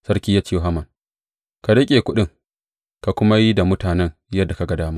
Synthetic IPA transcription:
sɐ˦rkʲiː˦ja˦t͡ʃi˦jo˨ɦa˦mɐ˨ŋ | ka˨dɐ˦kʲʼeː˨kʷʊ˦ɗɪ˦ŋ | ka˨kʷʊ˦ma˦ji˦da˨mʊ˦taː˨nɛ˦ŋjɐ˦dːa˨ka˨ɡa˨daː˦maː˦

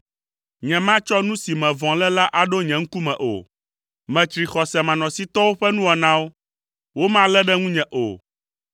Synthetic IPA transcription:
ɲɛ̃˨mã˦t͡ʃɔ˦nũ˦si˨mɛ̃˨vɔ̃˨lɛ˦la˦ʔa˨ɖo˦ɲɛ̃˨ŋ̩˦ku˦mɛ̃˨ʔo̰˨ | mɛ̃˨t͡ʃɾi˨xɔ˨sɛ˨mã˨nɔ̃˨si˦t̪ɔ˦wo˦ɸɛ˦nũ˦a˨nã˦wo˦ | wo˦mã˦lɛ˦ɖɛ˦ŋũ˦ɲɛ̃˨ʔo̰˨

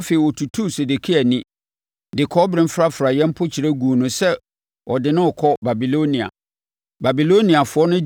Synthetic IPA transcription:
fe˨i˨wɔ˨tʰu˨tʰu˦se˨de˨kʰi˦æ˨nĩ˦ | dɪ˨kʰɔ˦bɾɪ̃˦fɾa˦fɾa˨jɛ̃˦m̩˦pʰʊ˦t͡ɕʰi˨ɾæ˦ɡu˨nʊ̃˦sɛ˦ | wɔ˨dɪ˨nɪ̃˦ɔ˨kʰɔ˦ba˨bi˨lo˦nĩ˨a̰˨ | ba˨bi˨lo˦nĩ˨a˨fʊ˨˦ɔ˦nʊ̃˦

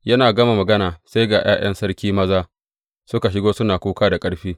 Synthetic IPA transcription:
jɐ˦naː˨ɡɐ˦ma˨mɐ˨ɡɐ˦naː˨sa˦jɡaː˨j̰a̰ː˦j̰ʔɐ˦nsɐ˦ɽkʲiː˦mɐ˦zaː˦ | sʊ˦ka˨ʃ̬ɪ˦ɡoː˦sʊ˦naː˨kʷuː˦kaː˦da˨kʼɐ˦ɽɸiː˦

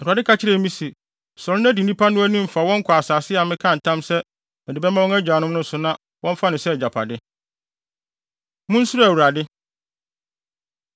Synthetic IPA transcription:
a˨dɪ˦kʰa˨t͡ɕʰɪ˦ɾɛ˦mĩ˦si˨ | sɔ˨ɾʊ˦næ̃˦di˨nĩ˦pʰa˦nʊ̃˦æ˦nĩ˦m̩˨fa˨wɔ̃˦ŋ̩˦kʰʊ˨a˨saː˨sɪ˦a˨mɪ̃˦kʰã˦˨n̩˨tʰã˦msɛ˦ | mɪ̃˨dɪ˨bɛ˦mã˦wɔ̃˦ŋæ˦d͡ʑᶣaː˨nʊ̃˦m˦nʊ̃˦n˦sʊ˨nã˦ | wʔɔ̃˦ɱ˦fa˦nɪ̃˨sɛ˦˨d͡ʑa˨pʰa̰˨dɪ˦ | mʊ̃˦n̩˦su˦ɾæ˨wu˨ɾa˨dɪ˦

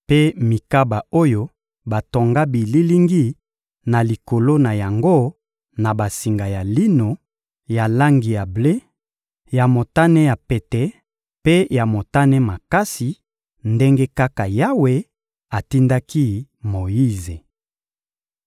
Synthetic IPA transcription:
pe˦mi˨ka˦ba˨o˦jo˦ | ba˨to˨ŋɡa˦bi˨li˦li˦ŋɡi˦ | na˨li˨ko˨lo˦na˨ja˨ŋɡo˦ | na˨ba˨si˨ŋɡa˨ja˨li˦no˨ | ja˨la˦ŋɡi˨ja˨ble˦ | ja˨mo˨ta˦nɛ˦ja˨pe˨tɛ˨ | pe˦ja˨mo˨ta˦nɛ˦ma˨ka˦si˨ | nde˦ŋɡe˦ka˦ka˨ja˦we˦ | a˨ti˦nda˦ki˦mo˨ji˦ze˨

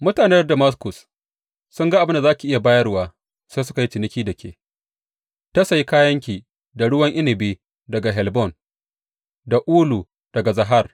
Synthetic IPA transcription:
mʊ˦taː˨nɛ˦rdɐ˨ma˦s̬kʊ˨s | sʊ˦ŋɡa˦ʔa˨bɪ˦nda˨zaː˦kʲi˨ʔɪ˦ja˨baː˦jɐ˦rwaː˦ | seː˦s̬ʊ̥˦ka˨ji˦t͡ʃɪ˨nɪ˦kʲiː˦dɐ˨kʲʰḛː˨ | ta˦sa˨ji˦kaː˦jɐ˦ŋk̬ʲiː˨ | da˨ɽʊ˦wɐ˦ŋʔɪ˦nɪ˨biː˦ | dɐ˨ɡa˨ɦɛ˨lbɔ˦˨n | da˨ʔuː˦lu˨ | d̥ɐ˨ɡa˨zɐ˨ɦa˦˨r

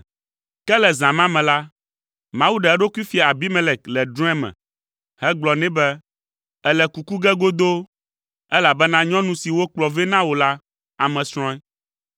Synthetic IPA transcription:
kɛ˦lɛ˨zã˨mã˦mɛ̃˨la˦ | mã˨wu˦ɖa˨ɛ˦ɖo˦ku˦i˦fi˨a˨a˨bi˦mɛ̃˦lɛ˨k̚lɛ˨ɖɾɔ̃˦ɛ˦mɛ̰̃˨ | hɛ˦ɡ͡blɔ˨nɛ̃˦bɛ˦ | ɛ˦lɛ˨ku˨ku˦ɡɛ˦ɡo˦d̪o˦ | ɛ˦la˨bɛ˦nã˦ɲɔ̃˦nũ˦si˨wo˦k͡plɔ˨vɛ˦nã˦wo˨la˦ | a˨mɛ̃˨sɾ̃ɔ̃˦ɛ˦

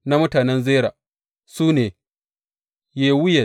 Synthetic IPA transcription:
na˦mʊ˦taː˨nɛ˦nzeː˦ɾaː˨ | suː˦neː˨ | jeː˦wʊ˦je˨

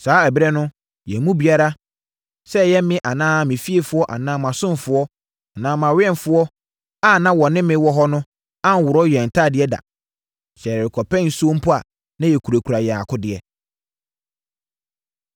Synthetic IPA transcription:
saː˨˦æ˨bɾɛ˦nʊ̃˦ | jɛ˨˦mũ˦bi˨a˦ɾa˦ | sɛ˦˨jɛ˦mɪ̃˦ʔa˨nãː˦mɪ̃˨fi˦e˨fʊ˦ɔ˦ʔa̰˨nãː˦mã˨sʊ̃˦m˨fʊ˨˦ɔ˦˨ | nã˨˦mã˨wɪ˦ɛ˦nfʊ˦ɔ˦ | a˦nã˦wɔ˨nɪ̃˦mɪ̃˦wɔ˨ɦɔ˦nʊ̃˦ | ã˦n˨wʊ˨ɾɔ˦jɛ˨n̩˨tʰa˦˨dɪ˨˦ɛ˦da̰˨ | ɕɛ˨ɾɾɪ˨kʰɔ˨pʰɛ̃˦n̩˦su˦o˦m̩˦pʰʊ˦a˨ | nã˦jɛ˨kʰu˨ɾa˨kʰu˨ɾa˨jɛ˨a˨kʰʊ˦dɪ˨ɛ˦

